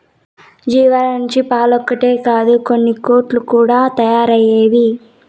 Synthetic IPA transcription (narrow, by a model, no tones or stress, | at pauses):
d͡ʒiːʋaːlɐuɲt͡ʃipaːlɔkːɐʈeːkaːd̪uko̞nːiko̞ːɾʈlukuːɽaːt̪ɐjaːɾɐjeːʋi